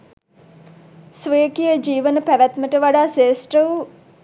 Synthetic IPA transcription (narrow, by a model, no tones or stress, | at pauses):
sʋeːkijəd͡ʒiːʋənəpæʋæt̪məʈəʋaɖaːseːsʈrəʋ